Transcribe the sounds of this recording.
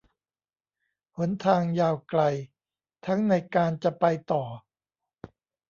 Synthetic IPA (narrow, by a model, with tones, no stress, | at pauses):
hu˩˦nt̪ʰaː˧ŋjaː˧˩wkla˧j | t̪ʰa˦˥ŋna˧jkaː˧nt͡ɕa˨˩pa˧jt̪ɔː˨˩